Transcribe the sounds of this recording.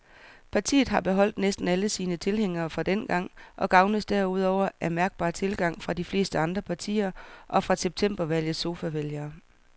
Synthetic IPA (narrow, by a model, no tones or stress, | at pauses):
pʰɑ̈t͡sʰḭːð̞̩ˠɦɑ̈b̥e̝ɦɒ̽l̰d̥nesd̥n̩æləsiːnət͡sʰe̝lɦeŋ̰ɐːfʁɑ̈d̥enɡ̥ɑ̈ŋ̰ʔɒ̽ɡ̥ɑ̈ʊnəsd̥æɐuð̞̰ˠɒʊ̰ɐʔæmæɐɡ̥̚b̥ɑ̰̈ːt͡sʰe̝lɡ̥ɑ̈ŋ̰fʁɑ̈d̥ifle̝̰ːsd̥əɑ̈nd̥ʁɐpʰɑ̈t͡sʰḭːɐʔɒ̽fʁɑ̈seb̥̚t͡sʰem̰b̥ɐʋæl̰jəð̩ˠso̝ːfæʋeljɐː